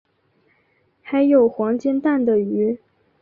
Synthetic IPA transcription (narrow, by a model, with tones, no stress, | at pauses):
xa˧˥ɪjo˨˩ʊxwɑ˧˥ŋt͡ɕjɛ˥nt̪a˥˩nd̪ə˩y˧˥